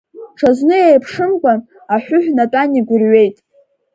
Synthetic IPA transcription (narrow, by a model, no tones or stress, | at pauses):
ʈ͡ʂʰaznɨejpʰʂɨmkʷʼan | aħʷᶣʊħʷᶣnatʼaniɡʷʊrɥe̞jtʼ